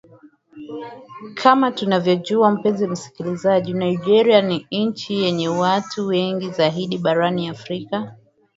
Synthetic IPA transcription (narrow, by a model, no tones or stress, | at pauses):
kʰamatunavjɔʄuam̩pɛnzim̩si̥kilizaʄinaid͡ʒɛɾianiɲt͡ʃijɛɲɛwatʰuwɛŋɡizaɦiɗiɓaɾaniafɾika